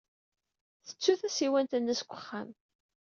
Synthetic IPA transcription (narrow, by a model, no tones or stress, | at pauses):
θə̥t͡sːuθæsiwænt̪ənːəskʷːəχːam